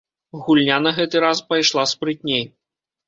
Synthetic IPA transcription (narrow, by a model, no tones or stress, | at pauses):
ɣulʲnʲanɐɣɛt̪ɨɾaspajʂlˠaspɾɨt̪ʲnʲej